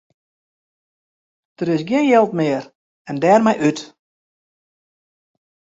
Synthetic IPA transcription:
d̥əɾɪsɡɪnjɛlˠtmɪːər | ɛndɛːrmɛjʔyt

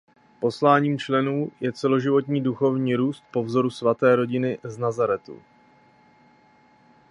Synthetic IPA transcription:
po̞slaːɲiːmt͡ʃlɛnuːjɛt͡sɛlo̞ʒɪvo̞t̪̬ɲiːduxo̞vɲiːɾuːst̪̚po̞vzo̞ɾusvat̪ɛːɾo̞ɟɪnɪznazaɾɛt̪ṵ

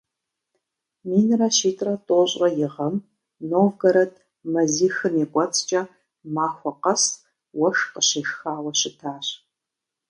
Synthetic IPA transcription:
miːnrɐʃiːtʼrɐtʼoːɕʼɐjɪʁɐm | noːvɡɐɾɐtʰʼ | mɐziːxɨnikʷʼɔt͡sʰʼt͡ʃʼɐ | maːxʷɔqɐs | wɐʂqəɕiːxxaːwɐɕɪtʰaːɕ

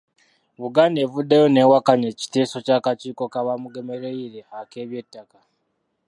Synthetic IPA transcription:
βuɡane̞vudːejo̞ne̞wakaɲeci̥te̞ːso̞cakat͡ʃiːko̞kaβamuɡe̞me̞ɾeiɾe̞hake̞ːβje̞tːaka

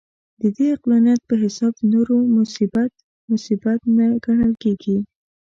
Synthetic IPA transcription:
d̪əd̪eɪqlɑnijat̪̚pəɦɪsɑb̚d̪noɾomʊsibat̪ | mʊsibat̪naɡaɽəlkeɡi

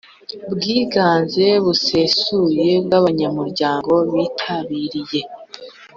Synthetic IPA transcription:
bɡiːɡaːnze̞βuse̞suje̞bɡaβaɲamuɾɟaːŋɡo̞βiːtʰaβiɾije̞

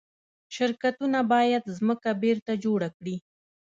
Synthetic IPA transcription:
ʃɪɾkat̪unabɑjad̪zməkabeɾt̪ad͡ʒoɽakɽi

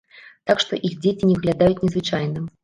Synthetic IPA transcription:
t̪akʂt̪ɔʔixd͡zʲet͡sʲinʲɛvɨɣlʲad̪ajut͡sʲnʲɛzvɨt͡ʂajnɨm

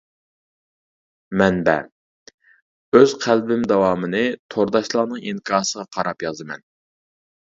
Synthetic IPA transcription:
mɛnbɛ̰ | øz̥qʰælbɪmd̪ɛwɑːmɨnɨt̪ʰoɾd̪ɑʃlˠɑnɨŋiŋkʰɑːsəʁɑqʰɑɾɑpjɑzɨmɛ̰n

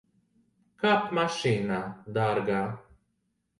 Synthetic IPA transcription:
kapmaʃiːnad̪aɾɡaː

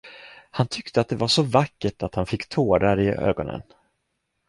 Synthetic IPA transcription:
hant̪ʰʏkt̪əat̪̚d̪ɛvaʂɔvakːəʈʰat̪hanfɪkːt̪ʰoːɾaɾɪʔø̰ːɡɔnə̰n

